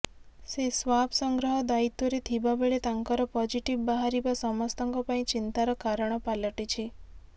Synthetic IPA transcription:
sesʋabsɔŋɡɾɔɦɔd̪ait̪oɾet̪ʰibabeɭet̪aŋkɔɾɔpɔd͡ʒiʈiʋbaɦaɾibasɔmɔst̪ɔŋkɔpaĩt͡ʃint̪aɾɔkaɾəɽ̃ɔpalɔʈit͡ʃʰi

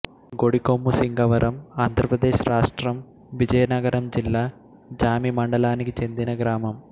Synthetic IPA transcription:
ɡo̞ɽikːomːusiŋɡɐʋɐɾʔɐmaːnd̪ʱrɐprɐd̪e̞ːɕraːʂʈrɐm | ʋid͡ʑɐjɐnɐɡɐɾɐmd͡ʑilːɐ | d͡ʑaːmimɐɳɖɐlaːnikʲːit͡ɕend̪inɐɡɾaːmɐm

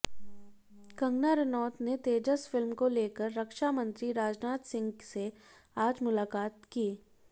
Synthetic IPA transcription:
kɐ̃ŋɡnaɾənɔːt̪net̪eːd͡ʒəsfɪlmkoleːkəɾːɐkʃamə̃nt̪ɾiɾaːd͡ʒnaːt̪sɪ̃ŋɡse | aːd͡ʒmʊlaːkaːt̪kiː

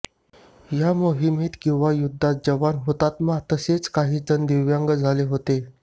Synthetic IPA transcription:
jamoɦimiːt̪kĩw̃ʋajud̪ʱːat̪̚d͡ʑəʋanɦot̪at̪mat̪əset͡skaɦiːd͡zənd̪iʋjaŋɡəd͡zʱaleɦot̪e

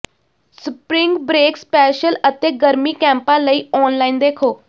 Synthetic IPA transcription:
səpɾɪŋɡbɾeːkspɛːʃələt̪eːɡəɾmiːkɛ̃ːmpãːləiːɔːnlaːiːnd̪eːkʰoː

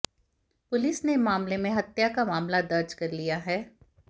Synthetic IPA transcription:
pʊlɪsnemaːmlemẽɦɐt̪jakamaːmlad̪ɐɾd͡ʒkɐɾlijaɦɛː

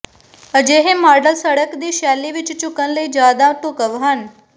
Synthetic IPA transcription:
əd͡ʒeːɦẽmaːɾɖəlsəɽəkd̪iːʃaːlːiʋɪt͡ʃt͡ʃʊkənləid͡ʒaːd̪aʈʊkəʋɦən

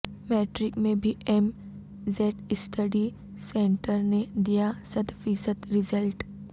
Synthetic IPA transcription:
meːʈɾɪkmẽbʱiem | zeːʈɪsʈʰəɖi | sẽːɳʈəɾned̪ijasət̪ʰfiːsəd̪ɾɪzəlʈ

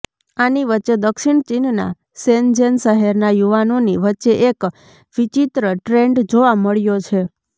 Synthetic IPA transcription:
aniʋətːʃed̪əkʃiɳt͡ʃinna̰ | send͡ʒenʃəɦɛɾnajuʋanoniʋətːʃeʔek | ʋit͡ʃit̪ɾəʈɾeɳɖd͡ʒoʋaməɭjot͡ʃʰe

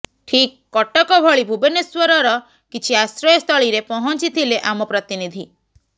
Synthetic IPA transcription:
ʈʰikːɔʈɔkɔbʱɔɭibʱubeneswɔɾɔɾɔ | kit͡ʃʰiasɾɔjɔst̪ʰɔɭiɾepɔɦɔnt͡ʃit̪ʰileʔamɔpɾɔt̪inid̪ʱi

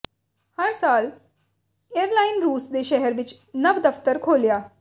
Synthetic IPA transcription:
həɾsaːl | ejəɾlaːɪnɾuːsd̪eːʃɛɦɛɾʋɪt͡ʃnɐʋd̪ɐft̪əɾkʰoːljaː

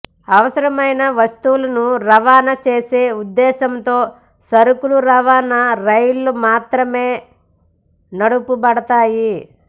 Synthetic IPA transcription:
ɐʋɐsɐɾɐmɐjnɐʋɐst̪uwlɐnuɾɐʋaːnɐt͡ʃeːse̞ːud̪ːɛːʃɐmt̪o̞ː | sɐɾukuluɾɐʋaːnɐɾɐjulːumaːt̪ɾɐme̞ː | nɐɽupubɐɽɐt̪aːji

